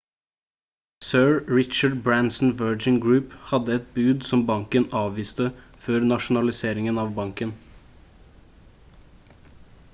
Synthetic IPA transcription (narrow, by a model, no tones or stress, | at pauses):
søːɹɹɪt͡ʃɑɖbɹænsn̩ʋɜːd͡ʒɪŋɡɹʉːphɑd̪əɛt̪̚bʉːd̪sɔmbɑŋkənɑːʋʋiːst̪əføːɾnɑʃn̩ɑlɪseːɾɪŋənɑːʋbɑŋkən